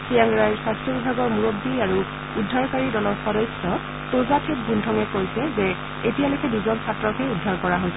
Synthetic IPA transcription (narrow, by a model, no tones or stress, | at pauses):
sʰiaŋɡɹajɹsɹastʰɔbibʱaɡɔɹmuɹobːiaɹu | udʱːaɹkaɹidɔlɔɹxɔdɔjsɔ | tozatʰet̚bundʱɔŋɛkojsɛzɛ | etijalojkɛduzɔnsʰatɹɔkɛudʱːaɹkɔɹaɦojsɛ